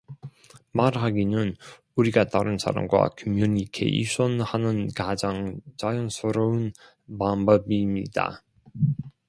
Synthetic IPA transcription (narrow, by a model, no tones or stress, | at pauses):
maɾɦaɡinɯn | uɾiɡat͈aɾɯnsʰa̰ɾa̰mɡwa̰kʰʌmjuɲikʰe̞̰ḭɕʰʌnhanɯnkad͡ʑaŋt͡ɕajʌnsʰɯɾoɯn | pambʌbimɲḭd̥a̰